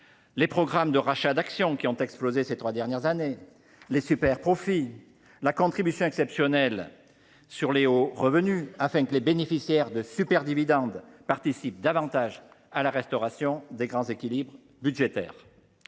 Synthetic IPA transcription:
lepχɔɡʁamd̪əʁaʃad̪aksjɔ̃kʲiɔ̃t̪ɛksplozeset̪χwad̪ɛʁnjɛʁzane | lesypɛʁpχɔfi | lakɔ̃t̪χibysjɔ̃ɛksɛpsjɔnɛl | syʁleoʁəvənyafɛ̃kəlebenefisjɛʁd̪əsypɛʁd̪ivid̪ɑ̃d̪paʁt̪isip̚d̪avɑ̃t̪aʒ | alaʁɛst̪ɔʁasjɔ̃d̪eɡʁɑ̃zekʲilibʁ | byʒet̪ɛ̰ːʁ

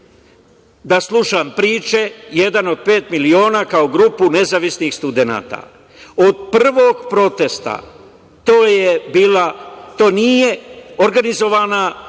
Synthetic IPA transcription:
d̪aslˠuʃampɾiːt͡ʃe̞je̞d̪ano̞d̪̚pe̞ːt̪milio̞ːnakaoɡɾuːpune̞zaʋisnixst̪ud̪ena̰ːt̪a̰ | od̪̚prr̩ʋo̞ɡpɾo̞t̪e̞st̪a̰ | t̪oːjebiːlat̪oːnije̞o̞ɾɡanizo̞ʋaːna

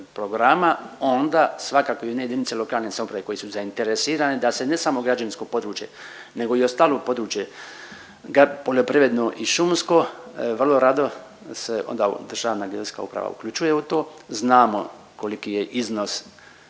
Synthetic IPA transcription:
pɾoɡɾamao̞nd̪aːsʋakaːko̞ionejed̪initse̞lo̞kaːlnesamopɾaʋe̞ko̞jesuzaint̪eɾesiːɾanid̪ase̞nesamo̞ɡɾad͡ʒaninsko̞po̞d̪ɾuːt͡ʃje | ne̞ɡo̞io̞st̪aːlˠoːpo̞d̪ɾuːt͡ʃje̞ | ɡapo̞ʎo̞pɾiʋɾe̞d̪noʔiʃumsko̞ʋr̩lˠo̞ɾad̪o̞ | seʔo̰nd̪a̰d̪r̩ʒaːʋnaɡeska̰upɾa̰ʋa̰ṵkʎʲut͡ʃuje̞ut̪o̞ːznaːmo̞ | kolikijeʔiznos

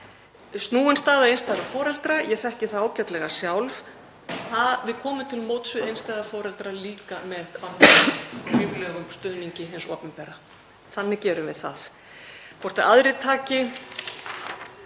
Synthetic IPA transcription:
st̪nuːɪnst̪aːðaejnst̪aːðafɔːɾɛlt̪ɾajɛθɛhcɪθaðaːwcat̪lɛɣasjawlv | θavɪðkʰɔːmʏt̪ʰɪlmoːwt̪svʏejnst̪aːðafɔːɾɛlt̪ɾaliːkamɛðan | iːvlɛɣʏmst̪ʏðniɲcɪɦɪnsɔ̰ːpʏnpɛɾa | θanːɪcɛːɾʏvɪðθaθ | fɔr̥t̪aaðɾɪt̪ʰaːcɪ

